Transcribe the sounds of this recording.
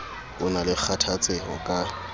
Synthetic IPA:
ʊnalɪk͡xʰatʰat͡sʼɪhɔkʼa

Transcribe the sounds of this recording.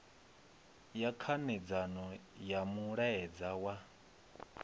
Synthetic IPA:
jakʰanɛd͡zanɔjamuɺaɛd͡zawa

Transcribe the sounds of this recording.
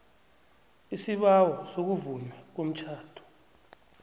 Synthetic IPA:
isiɓawɔsok̬uvunɛk̬om̩t͡ʃʰaːtʰu̥

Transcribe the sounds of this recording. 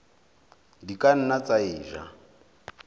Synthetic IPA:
dikʼan̩nat͡saiːʒa̰

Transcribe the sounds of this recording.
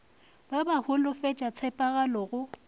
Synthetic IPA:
babahʊlʊfet͡ʃʼat͡sʰɛpʼaɣalɔɣʊ

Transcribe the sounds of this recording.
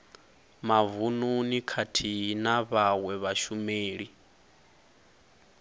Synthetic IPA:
mavununikʰatʰiɦnaβawɛβaʃumeːɺi

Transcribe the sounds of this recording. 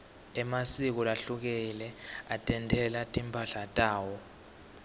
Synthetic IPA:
ɛmasik̬ɔlaɬuk̬ɛlɛatʼɛntʰʼɛlatʼimpʰaɬatʼaːwɔ

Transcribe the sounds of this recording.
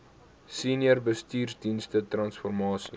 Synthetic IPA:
siniərbəstiːrsdinstətrɐnsfɔrmɑːsi

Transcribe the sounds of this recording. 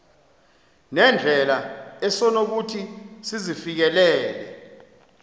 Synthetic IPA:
nɛnd͡ɮʱɛlaɛsɔnok̬utʰisizifik̬ɛlɛːlɛ̰

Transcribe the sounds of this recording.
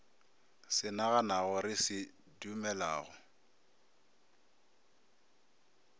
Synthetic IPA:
sɪnaɣanaɣɔɾɪsɪ | dumɛlaːɣɔ

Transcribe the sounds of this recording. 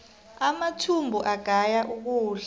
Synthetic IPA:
amatʰumbʱuʔaɡ̥ʱajaʔuk̬uːɬa

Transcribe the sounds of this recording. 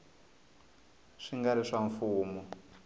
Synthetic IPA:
ʂiŋɡaɾiʂaɱfuːmɔ

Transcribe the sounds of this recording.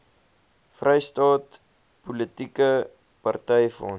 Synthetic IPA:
frɛjstɑːt | pulətikə | pɐrtɛjfɔ̰n

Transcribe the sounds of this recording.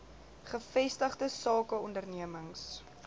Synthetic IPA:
χəfɛstəχdəsɑːkəɔndərniəməŋs

